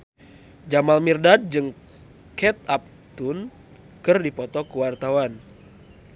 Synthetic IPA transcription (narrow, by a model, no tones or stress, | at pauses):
d͡ʒamalmirdad̚d͡ʒɨŋ | kɛt̪̚ap̚ | t̪un | kɨrdipɔt̪ɔkəwart̪awan